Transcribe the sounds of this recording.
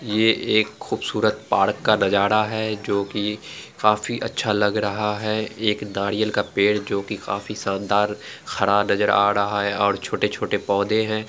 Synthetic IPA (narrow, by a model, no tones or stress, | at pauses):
jeːʔeːkxuːbsuːɾət̪̚paːɾkːanɐd͡ʒaːɾaɦɛd͡ʒoːkikaːfiʔɐtːʃʰalɐɡɾɐɦaɦɛeːkdaːɽijəlkapeːɽd͡ʒoːkika̰ːfisãːnd̪aːɾxɐɽanɐzəɾa̰ːɾɐɦaɦɛɔːɾt͡ʃʰoːʈet͡ʃʰoːʈepɔːd̪ʱẽɦɛ̃ː